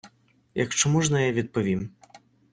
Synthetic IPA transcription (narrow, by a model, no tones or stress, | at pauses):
jɐkt͡ʂamuʐnɐjavʲɛt̪̚pɐvʲim